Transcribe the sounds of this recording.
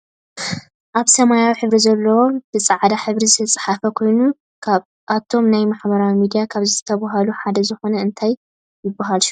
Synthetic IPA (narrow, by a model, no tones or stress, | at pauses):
ʔaβsɐmajawiħɨβɾizɐlːɐwob̥ɨt͡sʼaʕd̪aħɨβɾizɨt̪ʰɐt͡sʼɨ̥ħafɐkʰo̞jnu | kʰaβ | ʔat̪ʰo̞mnajmaħbɐɾawimid̪ijakʰaβzɨt̪ʰɐβaɦaluħad̪ɐzɨxo̞nɐɨnt̪ʰaj | jɪbːaɦalʃu